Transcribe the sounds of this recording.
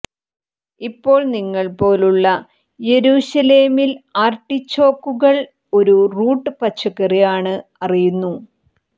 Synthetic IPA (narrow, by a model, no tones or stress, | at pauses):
ipːo̞ːɭniŋːɐɭpo̞ːluɭːɐ | je̞ɾuːɕɐleːmilaːrʈːit͡ɕːo̞ːkːuɣɐɭ | o̞ɾuruːʈːɨpɐt͡ɕːɐkːɐrijaːɳɨɐrijunːu